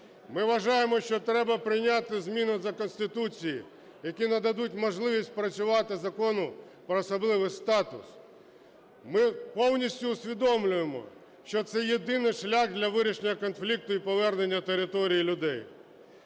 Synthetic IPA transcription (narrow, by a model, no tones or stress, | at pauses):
mɪʋɐʒɑjemɔʃt͡ʃɔt̪ɾɛbɐpɾɪjnʲat̪ɪzmʲinʊzɐkɔnsʲt̪ɪt̪ut͡sʲijḭ | jɐkʲinɐd̪ɐd̪utʲmɔʒlˠɪʋʲisʲt̚ʲpɾɐt͡sʲʊʋɑt̪ɪzɐkɔnʊ | pɾɔːsɐblˠɪʋɪst̪ɑt̪ʊ̰s | mɪpɔwnʲisʲtʲʊːsʲʋʲid̪ɔmlʲʊjemɔ̰ | ʃt͡ʃɔt̪sɛjed̪ɪnɪʃlʲaxd̪lʲɐʋɪɾʲiʃenʲːɐkɔnflʲik̚t̪ʊipɔʋɛrne̞nʲːɐt̪eɾɪt̪ɔɾʲijilʲʊd̪ɛj